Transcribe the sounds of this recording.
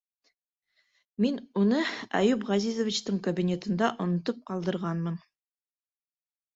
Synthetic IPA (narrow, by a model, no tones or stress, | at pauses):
minunɤæ̰jʉpʁɑzizŏvʲit͡ɕt̪ɤɴkɐbʲinʲe̞t̪ɤ̆nd̪ɑʔŏnŏt̪ɤp̚qɑlˠd̪ɤ̆ɾʁɑnmɤn